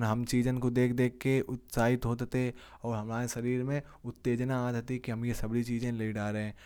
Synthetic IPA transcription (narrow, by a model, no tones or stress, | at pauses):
nɦɐmt͡ʃiːd͡ʒənkod̪eːk̚ʰd̪eːkːeʔʊt̪saːɦɪt̪ɦoːt̪t̪e | ɔːɾɦɐmaːeʃɐɾiːɾmẽ | ʊt̪ːeːd͡ʒnaaːd̪t̪ikiɦɐmjesɐbɽit͡ʃiːd͡ʒẽleiɖaːɾeɦɛ̃ː